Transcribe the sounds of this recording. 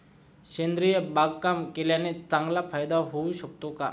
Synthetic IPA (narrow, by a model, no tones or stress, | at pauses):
ʃẽnd̪ɾijebaɡkamkelanet͡sãŋɡlapʰajd̪aɦouʃək̚t̪õka̰